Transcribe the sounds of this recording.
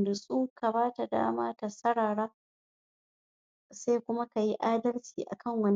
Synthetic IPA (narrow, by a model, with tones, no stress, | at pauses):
dʊ˨sʼuː˦ka˨baː˦ta˨da̰ː˦maː˦ta˨sɐ˦ɽaː˨ɽaː˦ | se˦kʷʊ˦ma˦ka˨ji˦ʔaː˦dɐ˦lt͡ʃiː˨ʔa̰˨kʰɐ˦˨ŋwɐ˦n